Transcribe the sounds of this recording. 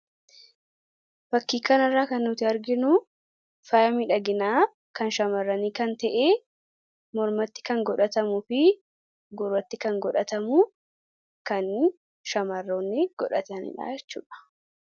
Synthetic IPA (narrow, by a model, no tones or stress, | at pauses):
bɐkːiːkːɐnɐrːaːkɐnːʊt̪ɪɐɾɡɪnʊ | fɐjɐmiᶑɐɡɪnaː | kɐnʃɐmɐrːɐniːkɐnt̪ɐʔeː | mɔɾmɐt̪ːɪ̥kɐŋɡɔᶑɐt̪ɐmʊfɪ | ɡʊɾːɐt̪ːɪkɐŋɡɔᶑɐt̪ɐmʊ | kɐn | ʃɐmɐrːoːnːɪɡ̥ɔᶑɐt̪ɐnɪ̰ᶑa̰ːjɛt͡ʃːṵːᶑɐ̥